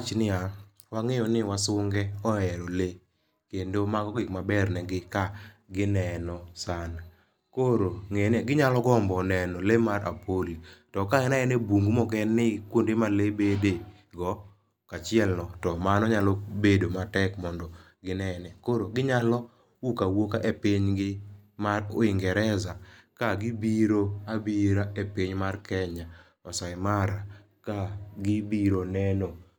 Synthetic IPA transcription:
t͡ʃnɪa | waŋejɔnɪwasʊŋɡɛɔɛɾole | kendomaɡɔɡɪkmabɛrnɛɡɪkaɡɪnɛnɔsan | koɾoŋeneɡɪɲalɔɡɔmbɔnɛnɔlemaɾa̰pʰolitɔkaɡɛnaɛnebuŋɡumɔkɛnːɪkwondemalebede | ɡɔ | kat͡ʃɪɛlnɔtɔmanɔɲalɔbedomatɛkmɔndɔ | ɡɪnɛnɛkoɾoɡɪɲalɔ | ukawokaʔepɪɲɡɪmaɾʊ̰ɪŋɡɛɾɛzakaɡɪbiɾoabiɾaepiɲmarkɛɲa | ɔsaɪmaɾa | kaɡɪbiɾonɛno

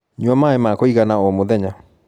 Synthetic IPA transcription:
ɲuamaemakoiɣanaomoðɛɲa

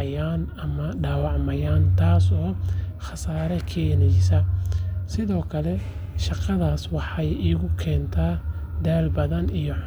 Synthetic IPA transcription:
jaːnɐmɐɖaːwɑʕmɐjaːnt̪ʰaːsɔːxɑsaːɾɐkʰɛːnɛjsɐsɪðɔːkʰɐlɛ | ʃɑqɑðaːswɑħɑjiːɣʊkʰɛːnt̪ʰaː | d̪aːlbɐðɐnijɔ

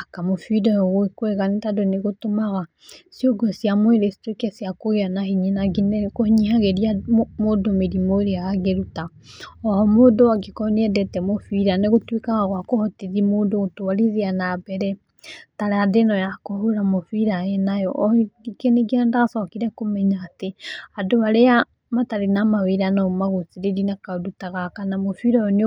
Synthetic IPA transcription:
akamofidɔjɔɣoekwɛɣanetadoneɣotomaɣa | sioɡɔsjamweɾesi̥twekɛsiakoɣeanahiɲinaɡinkohiɲiɦaɣeɾiamodomeɾimoeɾeaaɣeɾuta | ɔhɔmodowaɡekɔneɛdɛtɛmofiɾaneɣotwekaɣaɣwakohɔteðimoːndoɣotowaɾiðeanabɛɾɛ | taɾaadenɔjakohoɾamofiɾaɛnajɔ̰ʔɡikeneɡeɛndasɔkiɾɛkomɛɲaːteadoβaɾea | mataɾenamaweɾanɔmaɣoθeɾeɾinakadutaɣakanamofiɾaɔn

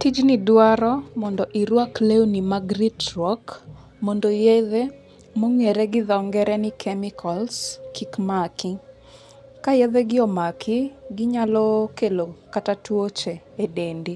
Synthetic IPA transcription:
tid͡ʒnɪdwaɾɔmɔndɔʔiɾwaklewnimaɡɾitɾɔk | mɔndojeðe | moŋeɾɛɡɪðɔŋɡɛɾɛnɪkʰɛmɪkʰɔlskʰikmakɪ | kajeðɛɡɪɔmakʰɪɡɪɲalɔkelokatatwot͡ʃeːdendi

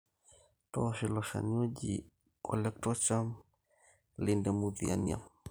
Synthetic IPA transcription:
tɔʃilɔʃa̰niɔd͡ʒḭ | kʰɔlɛk̚tɔt͡ʃam | lindɛmuðia̰nia̰

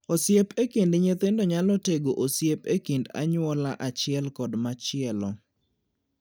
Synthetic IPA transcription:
osjepekendɲet̪endɔɲalɔteɡoʔosjepekenda̰ɲwɔlaʔat͡ʃɪɛlkɔdmat͡ʃɪɛlɔ

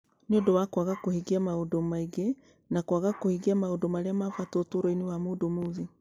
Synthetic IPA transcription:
niodɔwakwaɣakohiɡiamaodɔmaiɡɛ | nakwaɣakohiɡiamaodɔmaɾiamafatɔtuɾɔiniwamudomuði

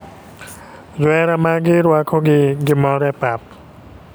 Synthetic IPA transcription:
zwɛɾamaɡiɾuakʰoɡiɡimɔɾɛpap̚

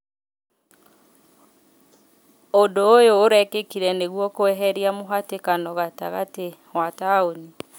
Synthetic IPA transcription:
odoːjoːɾɛkekiɾɛneɣwɔkoɛɦɛɾiamoɦatekanɔɣataɣate | wataoni

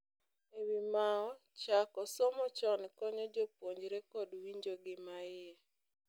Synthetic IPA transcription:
ewimaɔ | t͡ʃakɔsɔmɔt͡ʃɔnkɔɲɔd͡ʒopwoɲd͡ʒɾekɔdwiɲd͡ʒoɡɪmaɪɛ

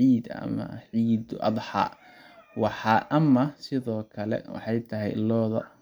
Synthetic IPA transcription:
ʕiːd̪ɐ̰mɐ̰ʕiːd̪ʔɑ̰d̪ħɑ̰ː | wɑħɑʔɐmɐsɪðɔːkʰɐlɛ̰wɑ̰ħɑjt̪ʰɐɦɛjlɔːðɐ̰

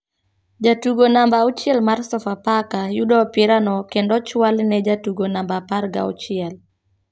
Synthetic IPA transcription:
d͡ʒatuɡonambaut͡ʃjɛlmarsɔfapakajudɔpɪɾanɔkendɔt͡ʃwalnɛd͡ʒatuɡonambaparɡa̰ṵt͡ʃɪɛl

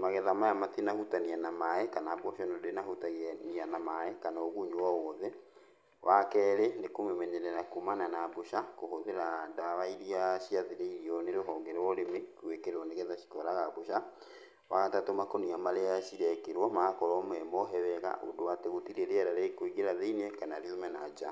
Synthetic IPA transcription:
maɣɛðamajamatenahutanianamaɛkanaːbwɔʃɔnodenaɦutaɣenianamaɛkanaoɣuɲowawɔðɛ | wʔakɛːɾenekomemɛɲɛɾɛɾakumananaːboʃakohoðeɾadawaiɾiaɕiaðeɾeiɾiɔneɾoɦɔŋɡɛɾwɔɾemekwekeɾwɔneɣɛðaʃi̥kɔɾaɣaβoʃa | waɣatatomakoniamaɾeaʃiɾɛkeɾwɔmaakɔɾɔmɛmɔɦɛβɛɣa̰ʔo̰dowateɣotiɾeɾeɛɾaɾekoiɣeɾaðeinekanaɾiomɛnad͡ʒa

